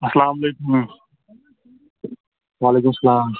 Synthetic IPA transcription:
ɐsɐlaːmɐleːkum | waːleːkumɐsɐlaːm

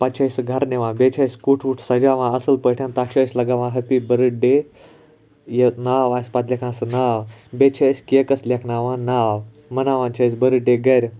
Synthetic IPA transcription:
pat͡ʃʰajsɨɡʱaɾneʋãːbet͡ʃʰajskuʈʰuʈʰsɐd͡ʒaʋãːəsəlpəʈʰjãnt̪at͡ʃʰasʲlɐɡaʋãːɦɐpibəɾɨɖe | jenaʋasʲpat̪lʲekʰãːsɨnawbet͡ʃʰasʲkʲekɐslʲekʰnaʋãːnaːw | mɐnaːʋãːnt͡ʃʰasbəɾɨɖeɡɐɾʲ

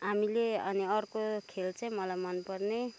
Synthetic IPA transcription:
amileʌniʌrkokʰelt͡sʌj̃mʌlajmʌnpʌrne

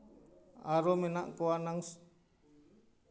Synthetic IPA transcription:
aɾomenaʔkoanaŋs

